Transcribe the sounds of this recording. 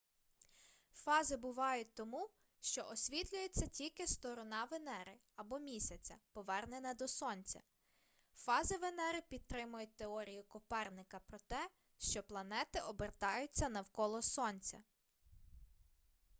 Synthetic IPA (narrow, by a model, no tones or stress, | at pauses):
fɑzɪbʊʋɑjʊt̚ʲt̪ɔmu | ʃt͡ʃɔʔɔsʲʋʲit̪lʲʊjet͡sʲːɐtʲilʲkɪst̪ɔɾɔnɑʋenɛɾɪ | ɐbɔmʲisʲɐt͡sʲɐ̰pɔʋɛrnenɐd̪ɔsɔnʲt͡sʲɐ̰ | fɑzɪʋenɛɾɪpʲid̪̚t̪ɾɪmʊjʊt̚ʲt̪eɔɾʲijʊkɔpɛrnɪkɐpɾɔt̪ɛ | ʃt͡ʃɔplˠɐnɛt̪ɪʔɔbert̪ɑjʊt͡sʲːɐnɐwkɔlˠɔsɔnʲt͡sʲɐ̰